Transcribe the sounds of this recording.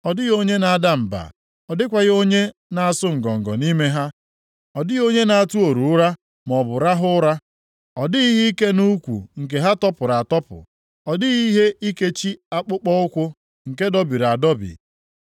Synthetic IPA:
ɔ˨dɪ˦ɣo˦ɲe˦na˨a˨da˦m̩˨ba̰˨ | ɔ˨dɪ˦kʷa˨ɣo˦ɲe˦ | na˨a˨sʊ˦ŋ̩˨ɡɔ˨ŋ̩˨ɡɔ˨ni˦me˦ɦa˦ | ɔ˨dɪ˦ɣo˦ɲe˦na˨a˦˨tu˦o˨ɾu˨ʊ˦ɾa˦ | m˨ɔ˨bʊ˨ɾa˦ɦʊ˦ɾa˦ | ɔ˨dɪ˦i˦ɦi˦i˦ke˦nu˦kʷṵ˨ŋ̩˨k̬e˨ɦa˦tɔ˦pʊ˨ɾa˨a˨tɔ˦pʊ̰˨ | ɔ˨dɪ˦ɣi˦ɦe˦i˦ke˦t͡ʃi˦a˦k͡pʊ˦k͡pɔ˦ʊ˦kʷʊ˦ | ŋ̩˨ke˦dɔ˦bi˨ɾa˨a˨dɔ˦bḭ˨

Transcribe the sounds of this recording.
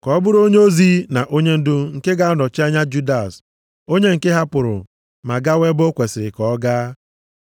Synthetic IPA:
kɔ˨ɔ˦bʊ˦ɾo˦ɲe˦o˦zi˦na˨ʔo˦ɲe˦n̩˦dʊ˦ŋ̩˨ke˦ɡa˦a˦nɔ˨t͡ʃa˦ɲa˦d͡ʒu˦da˨s | o˦ɲe˦ŋ̩˨ke˦ɦa˦pʊ˨ɾʊ̰˨ | ma˨ɡa˦we˦bʊ˦kʷe˨sɪ˨ɾɪ˨kɔ˨ɔ˦ɡaː˦

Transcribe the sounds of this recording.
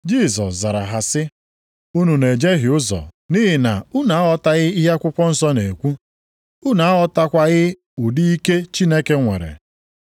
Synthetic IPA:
d͡ʒi˦˨sɔ̰˨sza˨ɾa˨ɦa˨sɪ˦ | u˦nu˨ne˨d͡ʒe˦ɦɪ˨ʊ˦zɔ̰˨ | ni˦ɦɪ˨na̰˨ʊ˦na˨˦a˦ɔ˦ta˦ɣɪ˦i˦ɦa˦kʷʊ˦kʷɔ˦n̩˦sɔ˦ne˨kʷu˦ | ʊ˦na˨˦a˦ɔ˦ta˦kʷa˦ɣɪ˦ | ʊ˨di˦i˦ke˦t͡ʃi˦ne˦ke˦ŋʷḛ˨ɾḛ˨

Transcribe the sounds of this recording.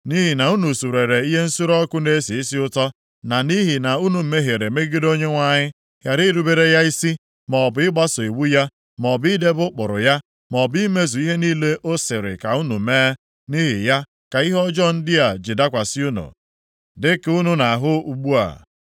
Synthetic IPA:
ni˦ɦi˨na˨u˦nu˨su˨ɾe˨ɾe˨i˦ɦe˦n̩˦su˦ɾɔ˦kʊ˦ne˦si˨i˦si˦ʊ˦tɔ˦ | na˨ni˦ɦi˨na˨u˦nu˨m̩˦me˦ɦe˨ɾe˨me˦ɡi˦do˦ɲe˦ŋʷa˦˨ɲɪ˦ | ja˨ɾi˦ɾu˦be˦ɾe˦ja˦i˦si˦ | mɔ˨bʊ˨ɪ˦ɡ͡ba˦so˨i˨wu˦ja˦ | mɔ˨bi˦de˦bʊ˦k͡pʊ̰˨ɾʊ̰˨ja˦ | mɔ˨bi˦me˦zu˨i˦ɦe˦niː˦le˦o˦sɪ˨ɾɪ̰˨ka˨u˦nṵ˨m̩˨˦me˦ | ni˦ɦɪ̰˨ja˦ | ka˨i˦ɦɔ˦d͡ʒɔ˦n̩˦dɪ˦a˨d͡ʒɪ˨da˦kʷa˨sɪ˦u˦nṵ˨ | dɪ˦ku˦nʊ˦na˨a˨ɦʊ˦u˨ɡ͡bu˦a̰˨

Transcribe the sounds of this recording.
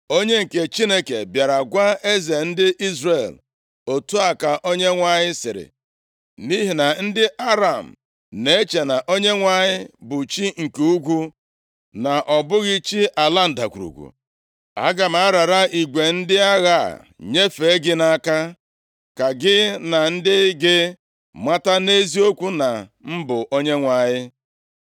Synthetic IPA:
o˦ɲe˦ŋ̩˨ke˨t͡ʃi˦ne˦kḛ˨bja˨ɾa˨ɡʷa˦e˦ze˨n̩˦dɪ˦ʔi˦zre˨l | o˨tu˦a˨ka˨ʔo˦ɲe˦ŋʷa˨ɲɪ˦sɪ˨ɾɪ̰˨ | ni˦ɦi˨na˨n̩˦dɪ˦ʔa˦ɾa˨m̩˨ | ne˨e˦t͡ʃe˨na˨ʔo˦ɲe˦ŋʷa˨ɲɪ˦bʊ˨t͡ʃi˦ŋ̩˨ku˦u˦ɡʷu˦ | na˨ʔɔ˨bʊ˦ɣi˦t͡ʃi˦ʔa˨la˦n̩˨da˨kʷu˨ɾṵ˨kʷṵ˨ | a̰˦ɡa˨m̩˨a˦ɾa˨ɾa˦i˨ɡʷe˨n̩˦dɪ˦a˦ɣa̰˦˨ | ɲe˦fe˨˦e˦ɡɪ˦na˦˨˦ka˦ | ka˨ɡɪ˦na˨n̩˦dɪ˦ɡɪ˦ | ma˦ta˦ne˦zi˦o˦kʷu˦na˨m̩˦bʊ˨ʔo˦ɲe˦ŋʷa˨ɲɪ˦

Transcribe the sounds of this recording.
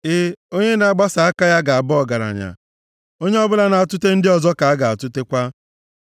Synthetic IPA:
ɪ˦o˦ɲe˦na˦˨˦ɡ͡ba˦sa˨a˦ka˦ja˦ɡa˨a˨bɔ˦˨ɡa˨ɾa̰˨ɲa̰˨ | o˦ɲe˦ɔ˦bʊ˦la˦na˨a˨tʊ˦te˦n̩˦dɪ˦ɔ˨zɔ˦ka˨a˦ɡa˨a˨tʊ˦te˦kʷa˦

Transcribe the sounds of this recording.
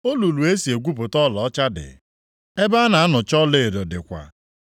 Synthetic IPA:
o˦lu˨lu˨e˦si˨e˨ɡʷu˦pʊ˨tɔ˦lɔ˨ɔ˦t͡ʃa˦dɪ̰˨ | e˦ba˦a˦na˨a˦nʊ˨t͡ʃɔ˦le˦˨e˨dɔ˨dɪ˨kʷa̰˨

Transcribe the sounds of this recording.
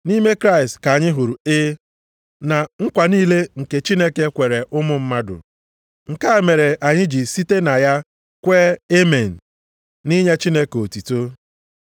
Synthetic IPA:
ni˦me˦kɾa˦ɪ˨stka˨a˨ɲɪ˦ɦu˨ɾu˨ɪ˦ | na˨ŋ̩˦kʷa˨niː˦le˦ŋ̩˨ke˨t͡ʃi˦ne˦ke˦kʷe˨ɾe˨ʔʊ˦mʊ˦m̩˦ma˦dʊ̰˨ | ŋ̩˨ka˦˨me˨ɾe˨ʔa˨ɲɪ˦d͡ʒi˨si˦te˦na˨ja˦ | kʷeː˦e˦me˨n̩˨ | ni˦ɲe˦t͡ʃi˦ne˦ko˨ti˨to˦

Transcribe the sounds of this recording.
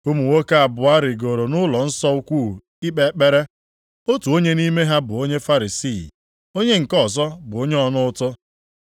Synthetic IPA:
u˦mu˨wo˦ka˦a˨bʊ˨a˦ɾɪ˨ɡo˨ɾo˨nʊ˦lɔ˨n̩˦sɔ˦u˦kʷu˦˨ | i˦k͡pe˦˨˦k͡pe˦ɾe˦ | o˦tu˨o˦ɲe˦ni˦me˦ɦa˦bʊ˨o˦ɲe˦fa˦ɾi˨si˦˨ | o˦ɲe˦ŋ̩˨kɔ˦˨zɔ˦bʊ˨o˦ɲe˦ɔ˨nʊ˦ʊ˦tʊ˦

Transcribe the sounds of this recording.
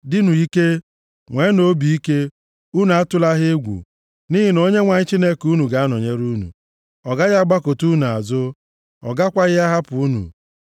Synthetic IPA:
dɪ˦nu˨i˦ke˦ | ŋʷe˨˦no˦bi˨i˦ke˦ | u˦nu˨a˦tʊ˦la˦ɦɪ˦ɡʷṵ˨ | ni˦ɦi˨no˦ɲe˦ŋʷa˨ɲɪ˦t͡ʃi˦ne˦ku˦nu˨ɡa˨˦a˦nɔ˨ɲe˦ɾu˦nṵ˨ | ɔ˨ɡa˦ɣa˦ɡ͡ba˦ko˨tu˦nu˨a̰˨zʊ˦ | ɔ̰˨ɡa˦kʷa˦ɣɪ˦a˦ɦa˦pu˨u˦nṵ˨

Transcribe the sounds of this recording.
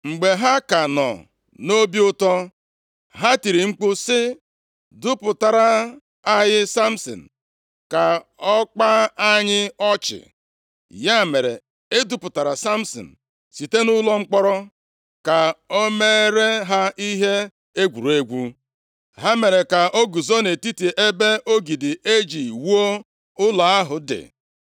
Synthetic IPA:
ŋ͡m̩˨ɡ͡be˨ɦa˦ka˨nɔ̰˨ | no˦bi˦ʊ˦tɔ˦ | ɦa˦ti˨ɾi˨ŋ͡m̩˦k͡pʊ˦sɪ˦ | dʊ˦pʊ˨ta˨ɾa˨ | a˦jɪ˦sa˦m̩˦sɔ̰˨n̩˨ | ka˨ɔ˦k͡pa˦a˦ɲɪ˦ɔ˦t͡ʃɪ̰˨ | ja˦˨me˨ɾḛ˨ | e˦du˦pʊ˨ta˨ɾa˨sa˦m˦sɔ̰˨n̩˨ | si˨te˦nʊ˦lɔ˦ŋ͡m̩˦k͡pɔ˦ɾɔ˦ | ka˨o˦me˦ɾe˦ɦa˦i˦ɦe˦ | e˦ɡʷu˨ɾu˨e˦ɡʷu˦ | ɦa˦me˨ɾe˨ka˨ʔo˦ɡu˨zo˦ne˨ti˦te˨ʔe˦be˦o˦ɡi˨dɪ˨e˦d͡ʒi˨wu˦o˦ | ʊ˦la˨a˦ɦʊ˨dɪ̰˨

